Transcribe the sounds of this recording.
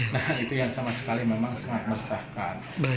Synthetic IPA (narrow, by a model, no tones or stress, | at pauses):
nahit̪ujaŋsamasə̥kalimemaŋsaŋat̪̚mərsahkan | b